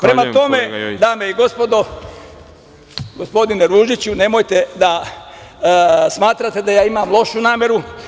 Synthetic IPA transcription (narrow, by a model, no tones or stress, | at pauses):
pɾe̞mat̪o̞me̞d̪aːmeiɡo̞spo̞d̪o̞ | ɡo̞spo̞d̪ine̞ɾuːʒit͡ɕune̞mo̞jt̪e̞d̪a | smaːt̪ɾat̪e̞d̪ajaːimamlˠo̞ʃunaːmje̞ɾu